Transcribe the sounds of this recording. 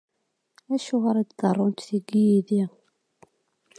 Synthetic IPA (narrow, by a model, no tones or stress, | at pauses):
æʃuʁaɾad̪d̪ɑrˤːont̪θiɡːijiði